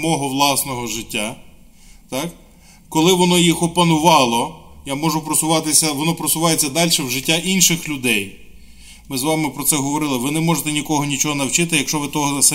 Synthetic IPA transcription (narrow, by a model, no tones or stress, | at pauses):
mɔɦɔʋlˠɑsnɔɦɔʒɪtʲːa | t̪ɑk | kɔlˠɪʋɔnɔjixɔpɐnʊʋɑlˠɔjamɔʒʊpɾɔsʊʋɑt̪ɪsʲɐʋɔnɔpɾɔsʊʋɑjet͡sʲːɐd̪ɑlʲʃɛwʒɪtʲːaʔinʃɪxlʲʊd̪ɛj | mɪzʋɑmɪpɾɔt̪sɛɦɔʋɔɾɪlˠɪʋɪnɛmɔʒet̪ɛnʲikɔɦɔnʲit͡ʃɔɦɔnɐwt͡ʃɪt̪ɪjɐkʃt͡ʃɔʋɪt̪ɔɦɔɐsɐ